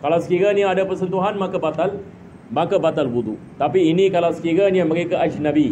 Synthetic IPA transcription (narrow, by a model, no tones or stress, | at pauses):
kalawsə̥kiɾaniaadapəɾsənt̪uɦanmakabat̪al | makabat̪albud̪ṵ | t̪apiːnikalawsə̥kiɾaniaməɾekaʔad͡ʒnabi